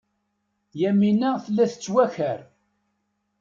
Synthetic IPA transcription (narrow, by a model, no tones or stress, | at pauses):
jæminæθəlːæθət͡sːwæçəɾ